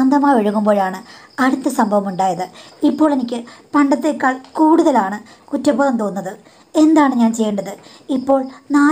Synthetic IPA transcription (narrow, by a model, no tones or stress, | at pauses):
ɐnd̪ɐmaːʋeɻuɣumboːɻaːɳɨɐɽut̪ːɐsɐmbʱɐʋɐmuɳɖaːjɐðɨipːo̞ːɭe̞nikʲːɨpɐɳɖɐt̪ːe̞kːaːɭkuːɽuðɐlaːɳɨ | kutːɐpːɐːɣɐmt̪oːnːɐðɨ | e̞nd̪aːɳɨɲaːnt͡ɕe̞jːɐɳɖɐðɨ | ipːo̞ːɭnaː